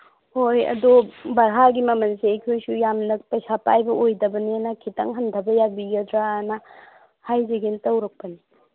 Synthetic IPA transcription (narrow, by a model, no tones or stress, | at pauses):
hojɐ̰dobɐɾɦaɡimɐmɐnseɐjkʰojsujamnɐpɐjsapa̰jbɐʔojdɐbɐninɐkʰitɐŋɦɐndʱɐbɐjabiɡɐdɾanɐ | hajzeɡintɐwɾɐk̚pɐni